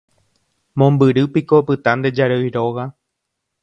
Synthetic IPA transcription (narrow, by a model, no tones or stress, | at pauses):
mõmbɨɾɨpiko̞pɨt̪ãnd̪ed͡ʒaɾeiɾoɣa